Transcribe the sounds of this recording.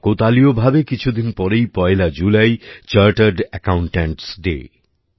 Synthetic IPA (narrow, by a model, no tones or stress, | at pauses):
kot̪aliobʱabekit͡ɕʰud̪inpɔɾejpɔelad͡ʑulajt͡ɕaɾʈəɾɖɛkawɳʈeɳʈsɖḛ